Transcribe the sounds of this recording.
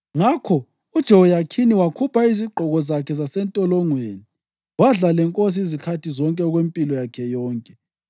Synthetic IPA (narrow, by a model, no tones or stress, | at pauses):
ŋakʰɔ | ud̥ʒ̥ʱɔwɔjakʰiniwakʰupʰaiziǃʱɔɣɔzakʰɛzasɛntʼɔlɔŋweːni | waɮalɛŋkʼos̬iizikʰatʰizɔŋkʼɛɔɣwempʼilɔjakʰɛjɔːŋkʼɛ